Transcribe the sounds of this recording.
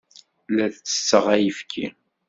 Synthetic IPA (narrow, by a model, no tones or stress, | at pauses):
læθt͡sːə̥sːəʁæjəfkʰḭ